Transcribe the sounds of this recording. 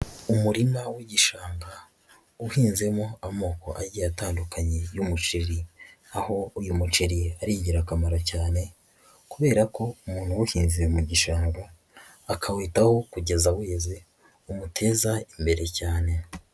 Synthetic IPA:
umuɾimawiɟiʃaːŋɡa | uhiːnze̞moamo̞ːko̞ʔaɾɟijataːndukʰaɲe̞jumut͡ʃiɾi | aho̞ujumut͡ʃiɾiaɾiːɟiɾakamaɾacaːne̞ | kuβe̞ːɾako̞umuːn̥huwuhiːnziemuɟiʃaːŋɡa | akʰawiːtaho̞kuɟe̞zawe̞ːze | umutʰe̞ːzaimbe̞ɾe̞caːne̞

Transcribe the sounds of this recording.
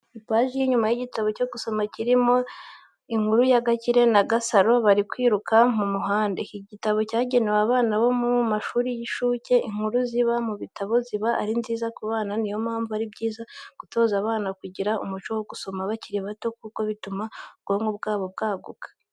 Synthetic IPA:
ipaːʒijiɲumajiɟitaβo̞co̞ɡuso̞maciɾimo̞ | iŋ̥huɾujaɡaciɾe̞naɡasaɾo̞βaɾikwiːɾukamumuɦaːndeiɟitaβo̞caːɟe̞newaːβaːnaβo̞mumaʃuːɾijiʃuːce̞ʔiŋ̥uɾuziβamuβitaβo̞ziβaʔa̰ɾinziːzakuβaːnanijo̞maːɱvuaɾibɟiːzaɡ̥uto̞ːzaβaːnakuɟiɾaʔṵmut͡ʃowoɡuso̞maβaciɾiβato̞k̚uko̞βitumabɡ̥o̞ːŋɡobɡaːβo̞b̚ɡaːɡukḁ

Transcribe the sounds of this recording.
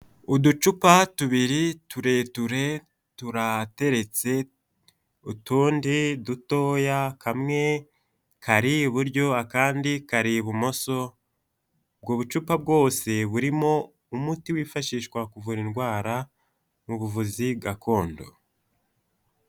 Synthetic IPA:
udut͡ʃupatuβiɾituɾe̞tuɾe̞ | tuɾate̞ɾe̞t͡se̞ | utuːndiduto̞ːjakʰamŋe̞ | kʰaɾiβuɾɟo̞akaːndikaɾiβumo̞so̞ | b̚ɡoːβut͡ʃupab̚ɡo̞ːse̞βuɾimo̞ | umutiwiːfaʃiːʃkwakuvuɾinɡwaːɾa | muβuvuzib̚ɡakʰo̞ːndo̰

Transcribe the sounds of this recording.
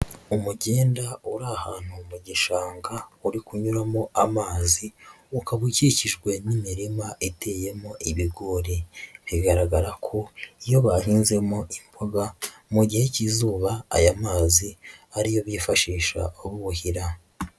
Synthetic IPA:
umuɟe̞ːndauɾahaːn̥humuɟiʃaːŋɡauɾikuɲuɾamoamaːzi | ukaβuciciʒɡwe̞nimiɾimaʔete̞ːje̞mo̞ʔiβiɡo̞ɾeβiɡaɾaɡaɾakʰo̞ijo̞βahiːnze̞moʔimboɡamuɟihe̞cizuːβa̰ːjamaːziaɾijo̞βjifaʃiːʃa̰oβuβuhiɾa

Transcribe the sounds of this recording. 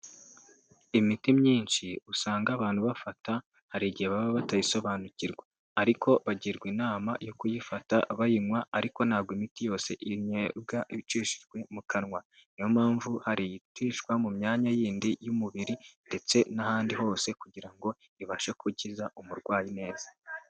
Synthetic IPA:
imitimɲiːnʃiusaːŋɡaβaːn̥huβafata | haɾiɟieβaβoβatajiso̞βaːnuciɾɡwa | aɾikʰo̞βaɟiɾɡwinaːmajo̞kujifataβajiŋwaːɾiko̞nhaːbɡwimitijo̞ːse̞̰ʔiɲeb̚ɡaiit͡ʃiːʃi̥ʒɡwe̞mukʰanŋwa | nijomaːɱvuhaɾijitiʃkwamumɲaːɲajiːndijumuβiɾinde̞t͡se̞nahaːndiho̞ːse̞kuɟiɾaŋɡo̞ | iβaʃekuɟizaumuɾɡwaːjine̞ːz̥ḁ

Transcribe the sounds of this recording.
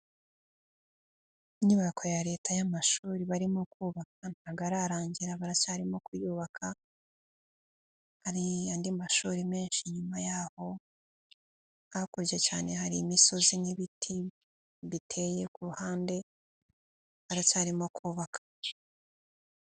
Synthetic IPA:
iɲuβakʰo̞jaɾe̞ːtajamaʃuːɾiβaɾimokuːβak̚an̥aɡaɾaɾaːɲɟiɾaβaɾat͡ʃaːɾimo̞kujuːβakʰa | haɾiandimaʃuːɾime̞ːnʃiɲumajaho̞ | akuɾɟet͡ʃaːne̞haɾiːmiso̞ziniβitʰi | βitʰe̞je̞kuɾuhaːnde̞ | βaɾat͡ʃaɾimo̞kʰuːβakʰḁ

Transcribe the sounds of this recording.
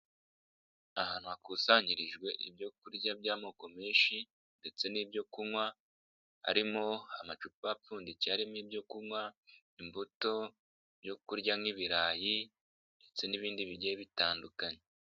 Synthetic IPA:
ahaːn̥huakusaɲiɾiʒɡwe̞ʔḭbjo̞kuɾɟabjaːmoːko̞miːnʃi | nde̞t͡se̞niːbjo̞kumwa | a̰ɾimoamat͡ʃupap͡fuːndiciaɾimiːbjo̞kumwa | imbuto̞ | bjo̞kuɾɟamŋiβiɾaːji | nde̞t͡se̞niβiːndiβiɟeβitaːndukaɲe

